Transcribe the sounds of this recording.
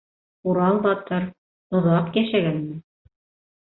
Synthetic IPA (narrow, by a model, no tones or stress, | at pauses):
uɾɑlˠbɑt̪ɤɾ | ŏðɑqjæʃæɡænmɘ